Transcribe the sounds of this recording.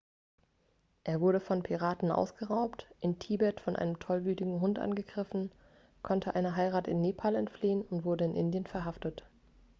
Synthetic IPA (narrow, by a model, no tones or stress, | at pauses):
ʔeːɐvʊɐɾəfɔnpʰiʁ̞aːtn̩ʔa̰ʊsɡ̥əʁaʊptʔɪntʰiːbɛtfɔnʔa̰ɪnəmtʰɔlvyːtɪɡŋ̩ɦʊntʔa̰nɡəɡʁɪfn̩ | kʰɔntʰəʔa̰ɪnəɦaɪʁaːtɪnːeːpʰaːlɛntfliːənʊntv̥ʊɐdəɪnʔɪ̰ndjənfɛɐɦaftət